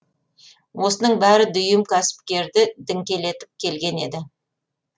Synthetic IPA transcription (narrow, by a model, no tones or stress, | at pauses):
wʔo̞sənəɴbæɾɪd̪ʏjɪmkʲʰæsɪ̥p̚kʲe̞ɾd̪ɪd̪ɪŋkʲe̞le̞t̪ɪp̚kʲʰe̞lɡʲe̞ne̞d̪ɪ